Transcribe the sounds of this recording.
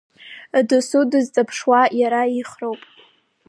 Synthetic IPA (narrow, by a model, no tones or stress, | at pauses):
dɨsudɨzt͡sʼapʰʂwajaɾaiχrowpʼ